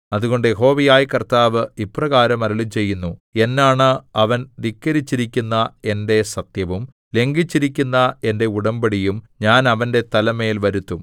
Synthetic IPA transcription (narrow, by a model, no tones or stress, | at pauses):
ɐðuɣo̞ɳɖɨjeɦo̞ːʋijaːjkɐrt̪aːʋɨiprɐɣaːɾɐmɐɾɐɭit͡ɕe̞jːunːue̞nːaːɳɨɐʋɐnʋikːɐɾit͡ɕːiɾikʲːunːɐe̞nde̞sɐt̪jɐʋum | le̞ŋɡit͡ɕːiɾikʲːunːɐe̞nde̞uɽɐmbɐɽijum | ɲaːnɐʋɐnde̞t̪ɐlɐme̞ːlʋɐɾut̪ːum